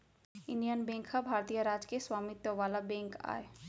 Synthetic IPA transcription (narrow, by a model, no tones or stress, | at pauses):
unijənbẽŋkhabʱaɾt̪ijəɾad͡ʒkeswamit̪jəʋalabẽŋka̰e